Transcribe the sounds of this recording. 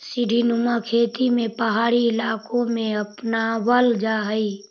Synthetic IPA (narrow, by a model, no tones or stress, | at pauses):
siɖʱinumakʰeːt̪imẽpəɦaːɽiɪlaːkõmẽɐpnawəld͡ʒaɦəi